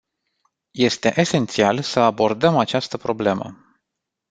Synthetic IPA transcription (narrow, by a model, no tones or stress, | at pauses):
je̞st̪e̞̰ʔese̞nt̪sialsəabo̞rd̪əmat͡ʃast̪əpɾo̞ble̞mə̰